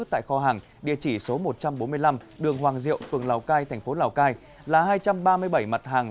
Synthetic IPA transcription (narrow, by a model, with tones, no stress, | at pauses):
t̪a̰ː˧˨jxɔ˧ɦaː˨˩ŋ | ɗḭ˧˨ət͡ɕi˧˩so˨˦mo˨˩t̚t͡ɕa˧mɓo˨˦nmɨ˧əjla˧mɗɨ˨˩əŋɦwaː˨˩ŋzḭ˧˨əwfɨ˨˩əŋlaː˨˩wkaː˧jt̪ʰɛ˨˩jŋ̟fo˨˦laː˨˩wkaː˧j | laː˨˩ɦaː˧jt͡ɕa˧mɓaː˧mɨ˧əjɓə˧˩jma˨˩t̚haː˨˩ŋ